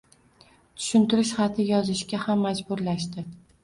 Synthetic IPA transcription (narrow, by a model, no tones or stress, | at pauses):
t̪ʰʊ̥ʃɪnt̪ɪɾɪʃχɑt̪ʰɪjɒzɪʃɡʲahamːad͡ʒbʊɾlaʃt̪ɪ